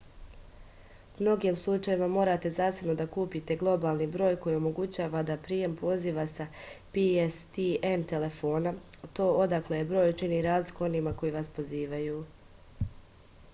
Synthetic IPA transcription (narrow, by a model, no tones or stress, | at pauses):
mno̞ɡiːmslˠut͡ʃajimamo̞ːɾat̪e̞zaːsebno̞d̪akuːpit̪e̞ɡlˠo̞baːlˠnibɾoːjko̞jio̞mo̞ɡut͡ɕaːʋad̪apɾiːje̞mpo̞ziːʋasapiest̪ient̪e̞le̞fo̞ːnat̪o̞ːo̞d̪aklejebɾo̞ːjut͡ʃiniɾaːzlikuo̞niːmako̞jiːʋaspo̞ziːʋajuː